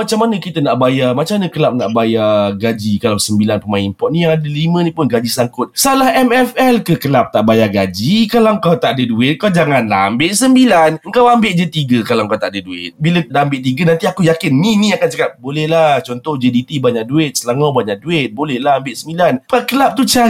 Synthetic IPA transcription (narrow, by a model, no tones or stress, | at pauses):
mat͡ʃamːanəkit̪ənaʔbajamat͡ʃamanəkəlap̚naʔbajaɡad͡ʒikalawsəmbilanpəmainpɔt̪̚nĩjaŋadəlimə̃nĩpʊnɡad͡ʒisaŋkʊt̪̚salahɛmɛfɛlkəkəlap̚t̪aʔbajaɡad͡ʒikalawəŋkawt̪aʔadəduɪt̪̚kawd͡ʒaŋanla̰ɦa̰mbɪʔsəmbilanəŋkawambɪʔd͡ʒət̪iɡəkalaŋkawt̪a̰ʔadəduɪ̰t̪̚bilədaːmbɪʔt̪iɡənant̪iakujakɪnːiniakant͡ʃəkap̚bolɛhlaht͡ʃɔnt̪ɔhd͡ʒedit̪ibaɲak̚duɪt̪̚səlaŋawbaɲaʔ̚duɪt̪̚bolɛhlahambɪʔsəmbilanpakəlap̚t̪ut͡ʃa